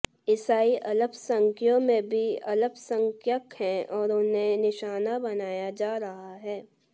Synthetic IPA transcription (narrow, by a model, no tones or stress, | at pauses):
ɪsaːiʔɐləbsɐ̃ŋkʰjõmẽbʱiɐləbsə̃ŋkjəkɦɛ̃ɔːɾʊnẽnɪʃaːnabɐnaːjad͡ʒaːɾɐɦaɦɛː